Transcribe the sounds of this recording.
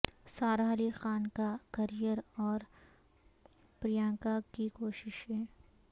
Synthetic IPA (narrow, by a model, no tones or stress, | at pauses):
saːɾaːlixaːnkakɐɾijəɾɔːɾ | pɾɪjãːŋkakikoːʃɪʃɦɛ̃ː